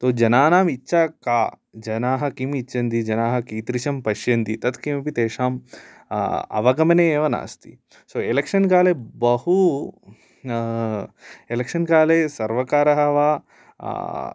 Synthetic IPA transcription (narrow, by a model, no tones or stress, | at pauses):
t̪oːd͡ʒɐnaːnaːmitːʃaːkaː | d͡ʒɐnaːɦɐ̆kimit͡ʃːt͡ʃːɐnd̪id͡ʒɐnaːɦɐ̆kiːt̪ɾiʃɐmpɐʃjɐnd̪it̪ɐt̪kimɐpit̪eːʂaːm | ɐ̰ʋɐɡɐmɐneːeːʋɐna̰ːst̪ḭ | soːelekʂɐnkaːlebɐhu | elekʂɐnkaːlesɐɾʋɐkaːɾɐɦɐʋaː